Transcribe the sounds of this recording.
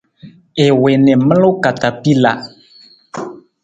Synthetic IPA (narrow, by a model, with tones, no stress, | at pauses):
e˨we˨nɛ̃˨mə˦lʊ˦ka˨ta˨pi˦la̰˨